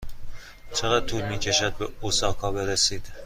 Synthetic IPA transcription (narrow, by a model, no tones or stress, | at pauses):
t͡ʃʰeɾɒːt̪ʰuːlmiːcʰe̞ʃæd̪̚beosɒːkʰɒːbe̞ɾesiːd̪̥